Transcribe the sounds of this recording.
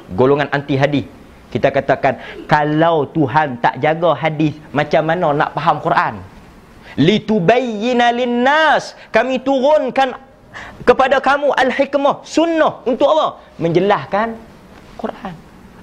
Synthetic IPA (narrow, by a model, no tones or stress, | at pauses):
ɡoloŋanʔant̪iɦadɪθ | kit̪akat̪akankalawt̪uɦant̪a̰ʔd͡ʒaɡaɦadɪθmat͡ʃamːanana̰ʔpaɦamkurʔan | lit̪ubajinalinːaskamit̪uɾʊnkan | kəpadakamuʔalħikmahsunːahunt̪ʊʔalːɔ | məɲd͡ʒəlahkan | kurʔan